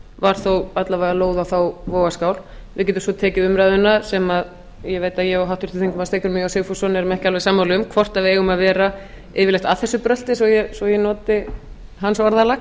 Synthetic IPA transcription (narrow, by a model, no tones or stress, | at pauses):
vaɾ̥θowat̪lavaɣaloːwðawθawvoːwɣaskaːwl | vɪðcɛːt̪ʏmsɔt̪ʰɛːcɪʏmɾaːðʏnːasɛmað | jɛveːjt̪aðjɛaɦawht̪ʏɾ̥ʰɪ̥θiŋkʏmaðst̪eːjkʏɾmiaseːfusɔnɛɾʏmɛhcɪalvɛsaːmːawlɪʏmkʰvɔr̥t̪avɪeːjɣʏmaðvɛːɾa | ɪːvɪlɛht̪aθɛsːʏpɾœl̥t̪ɪsvɔjɛsvɔjɛnɔːt̪ɪɦansɔɾðalax